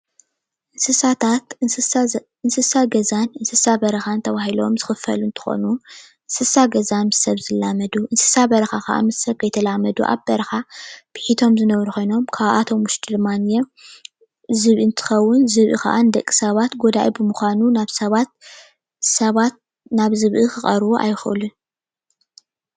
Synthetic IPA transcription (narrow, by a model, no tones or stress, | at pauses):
ʔɨnsɨsat̪ʰat̪ | ɨnsɨsaɡɐzanɨnsɨsabɐɾɐxant̪ʰɐβahilo̞̰mzɨxɨfɐ̰lunt̪ʰɨ̥xo̰nu | ʔɨnsɨsaɡɐzanmɨsɐβzɨlːamɐd̪uʔɨnsɨ̥sabɐɾɐxakʰa̰ʔa̰mɨsɐβkʰɐjt̪ʰɐlamɐd̪ṵʔa̰βbɐɾɐxab̥ɨħit̪ʰo̞mzɨnɐβɾuxo̞jno̞mkʰaβʔa̰t̪ʰo̞mwʊʃt̪ʰid̪ɨmːanje | zɨβʔɨɨnt̪ʰɨ̥xɐwːʊnzɨβʔɨ̰ka̰ʔand̪ɐkʼːi̥sɐβat̪ɡo̞d̪aʔibɨmuxʷanunaβsɐβat̪̚ | sɐβat̪̚ | naβzɨβʔɨxɨχʼɐɾβuʔa̰jɪxʔɨ̰lu